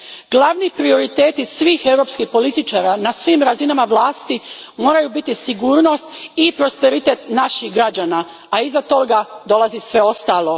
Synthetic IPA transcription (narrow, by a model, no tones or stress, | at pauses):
ɡ̥lˠaʋnipɾio̞ɾit̪e̞ːt̪isʋiːxe̞wɾopskixpo̞lit̪it͡ʃaːɾanasʋiːmɾazinamaʋlˠaːst̪imo̞ːɾajubit̪isiɡuːɾno̞st̪ipɾo̞spe̞ɾit̪e̞t̪naʃixɡɾad͡ʑana | aizat̪o̞ɡad̪o̞lˠazisʋe̞o̞st̪aːlˠo̞